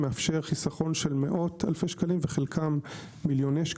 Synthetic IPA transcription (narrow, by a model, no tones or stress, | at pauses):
meafʃeʁχisaχo̞nʃe̞lmeʔo̞t̪ʰalfejʃkalimveχelkʰamː | iljo̞nejʃk